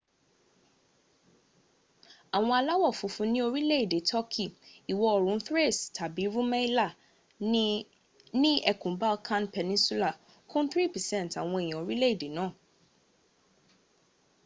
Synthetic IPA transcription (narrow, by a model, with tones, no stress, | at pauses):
a˨w̃ɔ̃˧a˧la˦wɔ˦˨fũ˨˧fũ˧˦nĩ˦o˧ɾi˦le˦i˦˨de˨˦tʰɔ˦kʰi˦˨i˨wɔ˧ɔ˨ɾ̃ũ˨˦θɾe˦˨stʰa˨bi˨˦ɾũ˦mɛ̃˦i˦la˦˨ | nĩ˦ɛ˦˨kũ˨˦ba˦lkʰã˦npɛ˧nĩ˦su˦la˦˨ | kʰũ˦n˦θɾi˦˨pɛ˨sɛ̃˦n˨ta˨w̃ɔ̃˧e˨j̃ã˨o˨ɾi˦le˦i˦˨de˨˦nãː˦˨